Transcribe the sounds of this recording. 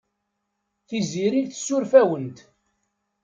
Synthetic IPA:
θiziɾiðθə̥sːʊɾfæwənt̪

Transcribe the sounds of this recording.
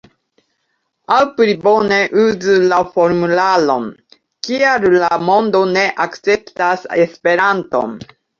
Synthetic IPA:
alpɾibo̞ne̞ʔuzulafo̞ɾmulalo̞̰n | kiaɾlamo̞ndo̞ne̞ʔakt͡se̞ptasespe̞ɾanto̞̰n

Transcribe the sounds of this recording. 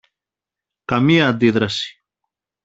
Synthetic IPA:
kɐmiɐːnd̪iðɾɐsi̥

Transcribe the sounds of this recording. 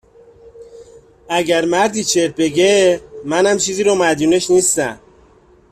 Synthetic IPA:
æɟæɾmæɾd̪iːt͡ʃʰeɾ̚beɟemænæmt͡ʃʰiːziːɾomæd̪uneʃniːst̪æm

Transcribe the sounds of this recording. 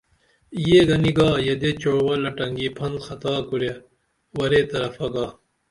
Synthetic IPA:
jeɡɐniɡɑːjɐd̪et͡ɕoɽwɐlɐʈɐŋɡipʰɐnd̪xɐt̪aːkuɾje | wɐɾet̪ɐɾɐfɐɡɑː

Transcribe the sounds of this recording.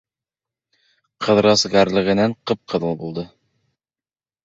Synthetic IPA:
qʰɤ̆ðɾɑsɡæɾlɘ̆ʁɘ̆næɴqɤp̚qʰɤ̆ðɤlˠbulˠd̪ɤ

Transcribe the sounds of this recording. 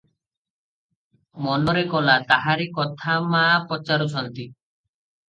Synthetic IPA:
mɔnɔɾekɔlat̪aɦaɾikɔt̪ʰamapɔt͡ʃaɾɔt͡ʃʰɔnt̪i

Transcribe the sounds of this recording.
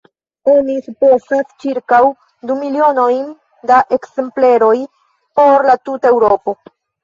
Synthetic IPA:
onisuposast͡ʃiɾkaw | dumilio̞no̞jn | daʔe̞kse̞mple̞ɾo̞j | po̞ɾlatutae̞wɾopo̞

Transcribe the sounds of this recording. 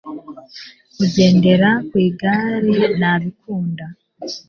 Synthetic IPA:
kuɟe̞ːnde̞ɾakwiːɡaːɾinaβikʰuːnda

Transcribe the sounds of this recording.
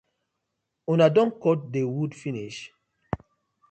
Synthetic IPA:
unadɔ̃nkɔt̚dewudfiniʃ

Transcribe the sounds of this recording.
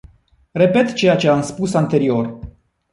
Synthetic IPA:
re̞pe̞t̪t͡ʃe̞jat͡ʃe̞amspusant̪e̞ɾio̞r

